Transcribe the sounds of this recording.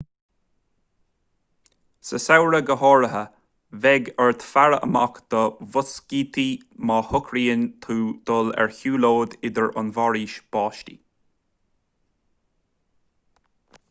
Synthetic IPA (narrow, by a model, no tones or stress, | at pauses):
səsawɹəɡəhɔːɹəɦə | vɛɡəɹt̪faɹəə̰ma̰kd̪̥əvʊsɡiːt̪ʰi | mɑːhʊkʰɾiːənʲt̪ʰuːd̪̥ɔlɛ̰ɹçuːloːd̪ɪd̪əɹʊ̰nvɑɹiːʃb̥ɑːʃtḭ